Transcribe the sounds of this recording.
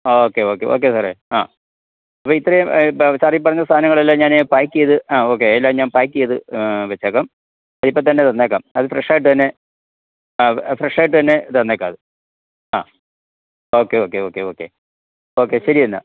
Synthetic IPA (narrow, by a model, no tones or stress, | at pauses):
oːkːeo̞ːkːe̞̰ʔo̞̰ːk̬ːesɐrea̰ː | ɐpːoːit̪ːrɾɐjumt͡ɕaːrjip̬ːɐrɐɲːɐst̪ʰaːnɐŋːɐɭɐlːaɲaːnepaːjkʲːijɐðɨaːo̞ːk̬ːeːlːaːmɲaːnpaːjkːijɐðɨʋɐt͡ɕːeːkːaːm | ɐðipːot̪ɐnːe̞t̪ɐnːeːkːa̰ːmɐðɨfreʂaːjiʈ̬ːɨt̪ɐnːe̞ | aːfreʂaːjʈ̬ːɨt̪ɐnːe̞t̪ɐnːeːkːaːðɨ | a̰ː | o̞ːkːeo̞ːkːeo̞ːkːeo̞ːkːe̞̰ | oːkːeɕɐɾijenːa̰